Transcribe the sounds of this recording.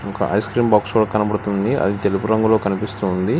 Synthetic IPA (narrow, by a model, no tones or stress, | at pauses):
ɔkɐ̰ʔɐ̰jskɾiːmbaːkskuːɽaːkɐnɐbɐɽut̪und̪iʔɐ̰d̪it̪e̞lupuɾɐŋɡulo̞ːkɐnipist̪und̪i